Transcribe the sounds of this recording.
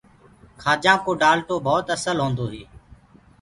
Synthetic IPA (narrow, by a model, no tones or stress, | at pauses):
kʰaːd͡ʒãːkoːɖaːlʈ̪oːbʱɔːt̪əsəlɦõːnd̪oːɦeː